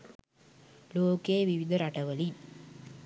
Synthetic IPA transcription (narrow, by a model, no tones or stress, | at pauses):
loːkeːʋiʋid̪əɾaʈəʋəli